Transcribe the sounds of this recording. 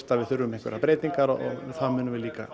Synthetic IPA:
st̪avɪðθʏɾːʏmĩŋkvɛɾapɾeːjt̪iŋkaɾɔ̰ɔ̰ɣθaðmʏːnʏmvɪliːka̰

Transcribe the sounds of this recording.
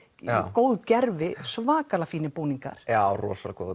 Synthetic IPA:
koːwðcɛɾvɪsvaːkalafiːnɪpuːniŋka̰ɾ̥jarɔ̰ːsalko̰ːð

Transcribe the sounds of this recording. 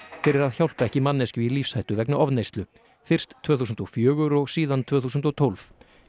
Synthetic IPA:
fɪɾɪɾaðçawl̥p̪aɛhcɪmanːɛscʏilifshajt̪ʏvɛknʏʔɔvnejst̪lʏ | fɪr̥st̪ʰːvœːθuːs̬ʏnt̪ɔfjœːɣʏɾɔɣsiːðant̪ʰv̥œːθuːsʏnt̪ɔt̪ʰowlv

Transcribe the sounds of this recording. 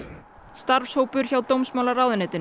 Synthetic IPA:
st̪aɾvshowpʏɾ̥çawt̪owmsmawlarawðʏnɛːt̪ɪn

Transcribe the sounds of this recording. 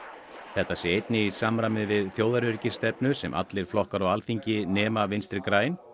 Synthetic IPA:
θɛht̪ːasjɛejt̪nɪisamɾamɪvɪðθjoːwðaɾʏɾcɪst̪ɛpnʏsɛmʔa̰t̪lɪɾ̥flɔhkaɾɔɣalθiɲcɪnɛːmavɪnst̪ɪɾkɾaːjn

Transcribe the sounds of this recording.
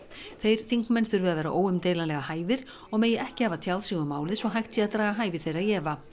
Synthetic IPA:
θejɾ̥θiŋkmɛnθʏɾvɛːðaðɛɾaʔoːwʏmt̪ejlanlɛɣahaːjvɪɾ̥ | ɔɣmeːjɪʔɛhcɪhavat̪ʰjawðsiɣʏmaːwlɪðsvɔɦajht̪siaðt̪ɾaːɣaɦaːjvɪθejrajɛːva

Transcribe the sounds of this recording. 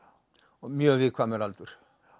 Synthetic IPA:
miøʋiːkʰoɑmelɑlt̪ur

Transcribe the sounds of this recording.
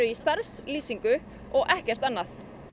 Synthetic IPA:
ʏist̪aɾfsliːsiŋkʏ | ɔɣʔɛhcɛr̥t̪anːaθ

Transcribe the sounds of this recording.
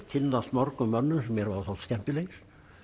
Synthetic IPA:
t̪ʰɪlːast̪mɔɾkʏmœnːʏsɛmːjɛɾvaɾθowlt̪scɛm̥pʏleːjɾ̥

